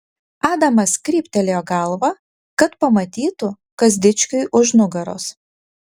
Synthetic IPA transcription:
ɑːd̪ɐmɐskʲɾʲiːpʲt̪ʲɛlʲejoːɡɐlˠʋɐ | kɐt̪pɐmɐt̪ʲiːt̪ʊ | kɐzʲd̪ʲɪt͡ʃʲkʲʊɪʔʊʒnʊɡɐɾo̰ːs

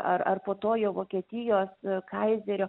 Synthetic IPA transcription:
ʔɐrɐ̰rpoːt̪oːjoːʋoːkʲiɛt̪ʲɪjoːskɐɪzʲɛɾʲoː

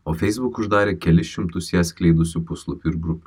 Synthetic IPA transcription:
oːfʲɛjsbukʊʒd̪ɑːɾʲeːkʲɛlʲɪʃʲɪmt̪ʊsjæːsʲkʲlʲɛjd̪ʊsʲʊpʊslˠʊpʲɪɾɡɾʊpʲ

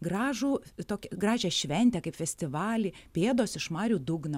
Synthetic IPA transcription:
ɡɾɑːʒuːt̪oːkʲɛɡrɑːʒʲɛʃʲʋʲɛnʲt̪ʲɛkɐɪpfʲɛsʲt̪ʲɪʋɑːlʲiːpʲeːd̪oːsɪʃmɑːɾʲuːd̪ʊɡno

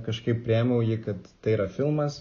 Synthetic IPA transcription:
kɐʃkɐɪp̚pʲɾʲɪɛːmʲɛʊjiːkɐt̪t̪ɐɪiːɾɐfʲɪlˠmɐs

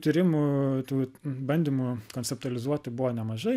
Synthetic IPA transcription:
t̪ʲiɾʲɪmut̪uːbɐnʲd̪ʲimukonʲsʲɛp̚t̪ʊɐlʲɪzuɔt̪ʲɪbʊʋoːnʲɛmɐʒɐɪ

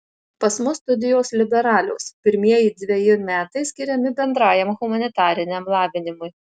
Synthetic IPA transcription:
pɐsmʊst̪ʊd̪ʲɪjoːslʲɪbʲɛɾɑːlʲo̰ːspʲɪɾʲmʲiɛjɪːd̪ʲʋʲɛjɪmʲæːt̪ɐɪsʲkʲɪɾʲɛmʲɪbʲɛnd̪ɾɑːjɛmɣʊmɐnʲɪt̪ɑːɾʲɪnʲɛmlˠɑːʋʲɪnʲɪmʊj

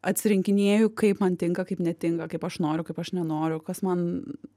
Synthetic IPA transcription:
ɐt̪ʲsʲɪɾʲɪŋʲkʲɪnʲeːjʊkɐɪpmɐnt̪ʲɪŋkɐkɐɪpnʲɛt̪ʲɪŋkɐkɐɪpɐʃnoːɾʲʊkɐɪpɐʃnʲɛnoːɾʲʊkɐsmɐn

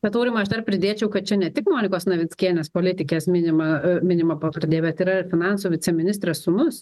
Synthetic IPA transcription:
t̪ʲɛt̪oːɾʲɪmɐɐʃd̪ɐrpʲɾʲɪd̪ʲeːt͡ʃʲɛʊkɐt̪̚t͡ʃʲɛnʲɛt̪ʲɪkmoːnʲɪkoːsnɐʋʲɪt͡s̪ʲkʲiɛlʲnʲeːspoːlʲɪt̪ʲɪkʲeːsmʲɪnʲɪmɐmʲɪnʲɪmɐpɐkɾɐd̪ʲeːjɛbʲɛt̪iːɾɐɪɾfʲɪnɑˑnsuːʋʲɪt͡s̪ʲɛmʲɪnʲɪst̪ʲɾʲɛssʊnʊs

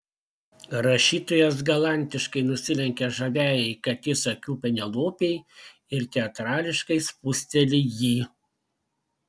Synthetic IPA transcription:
ɾɐʃʲiːt̪ojɛs̬ɡɐlˠɑˑnʲt̪ʲɪʃkɐɪnʊsʲɪlʲɛŋʲkʲɛʒɐʋʲæːjɛɪkɐt̪ʲɪsɐkʲuːpʲɛnʲɛlˠoːpʲeɪ | ɪɾt̪ʲɛɐt̪ɾɑːlʲɪʃkɐɪspʊsʲt̪ʲɛlʲɪjiː

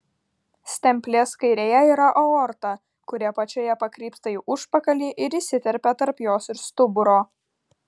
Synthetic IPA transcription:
sʲt̪ʲɛmʲpʲlʲeːskɐɪɾʲeːjɛiːɾɐʔɔɔɾt̪ɐ | kʊɾʲɛpɐt͡ʃʲoːjɛpɐkɾʲiːpt̪ɐiʔʊʃpɐkɐlʲiːʔɪɾisʲɪt̪ʲɛɾʲpʲɛt̪ɐɾpjoːsɪɾst̪ʊbʊɾoː

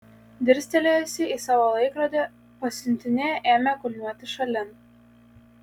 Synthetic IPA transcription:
d̪ʲɪɾʲsʲt̪ʲɛlʲeːjɛsʲɪisɑːʋoːlˠɐɪkɾɐd̪ʲe | pɐsʲʊnʲˑt̪ʲɪnʲeʔeːmʲɛkʊlʲnʲuɔt̪ʲɪʃɐlʲɪn

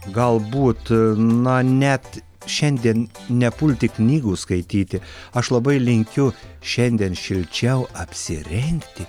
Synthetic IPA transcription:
ɡɐlˠbuːt̪nɐnʲɛt̪ | ʃʲɛnʲd̪ʲiɛnnʲɛpʊlʲt̪ʲɪknʲiːɡuːskɐɪt̪ʲiːt̪ʲɪɐʃlˠɐbɐɪlʲɪŋʲkʲʊʃʲɛnʲd̪ʲiɛnʃʲɪlʲt͡ʃʲɛʊɐpʲsʲɪɾʲɛŋʲkt̪ʲɪ

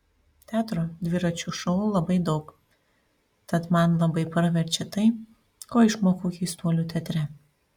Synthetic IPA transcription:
t̪ʲæːt̪ɾoːd̪ʲʋʲɪɾɐt͡ʃʲuʃɔʊlˠɐbɐɪd̪ɒʊk | t̪ɐt̪mɐnlˠɐbɐɪpɾʋʲɛɾʲt͡ʃʲɛt̪ɐɪ | koːɪʃmoːkuːkʲɛɪst̪uɔlʲuːt̪ʲɛt̪ʲɾʲɛ

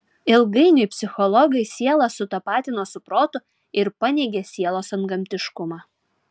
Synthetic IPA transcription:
ɪlˠɡɐɪnʲʊɪpʲsʲɪxɔlˠɔɡɐɪsʲiɛlˠɐsʊt̪ɐpɑːt̪ʲɪnoːsʊpɾoːt̪ʊ | ɪɾpɐnʲeɪɡʲɛsʲiɛlˠoːsɐnɡɐmʲt̪ʲɪʃkʊmɑː

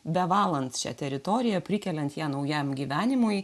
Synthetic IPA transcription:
bʲɛʋɑːlˠɐnt̪sʃʲæ̰t̪ʲɛɾʲɪt̪ɔɾʲɪjɛpʲɾʲɪkʲɛlʲɛnt̪jæːnɐʊjɛmɡʲiːʋʲæːnʲɪmʊj

